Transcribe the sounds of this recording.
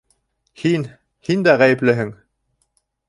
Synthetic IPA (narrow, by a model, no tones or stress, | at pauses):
hin | hind̪æʁæjɘ̆plɘɦɘŋ